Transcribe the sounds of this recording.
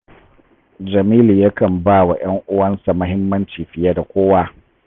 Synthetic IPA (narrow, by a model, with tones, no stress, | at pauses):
d͡ʒɐ˨miː˦li˨ja˦kɐ˨mbaː˦˨wa˨j̰ɐ˦ŋʔʊ˦wɐ˦nsa˨mɐ˦ɦɪ˦mːɐ˦nt͡ʃiː˨ɸɪ˨jaː˦da˨kʷoː˦wa˦